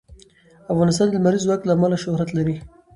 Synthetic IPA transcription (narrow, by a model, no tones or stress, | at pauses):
afɣɑnɪst̪ɑnd̪əmaɾizwak̚t̪laːmalaʃʊhɾat̪laɾi